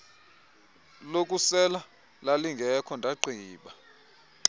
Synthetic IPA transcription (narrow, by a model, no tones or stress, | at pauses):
lok̬ʼusɛla | laliŋɡʱɛkʰɔndʱaǃʱiːɓa